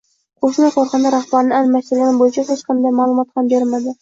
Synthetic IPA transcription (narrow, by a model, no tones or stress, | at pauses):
qʰoʃnaqʰɒɾχɑnd̪aɾaχbaɾnɪalmast̪ɪɾɡʲanbojɪt͡ʃʰahet͡ʃqʰɑnd̪ajmaːlˠʊmɒt̪hambeɾmad̪ɪ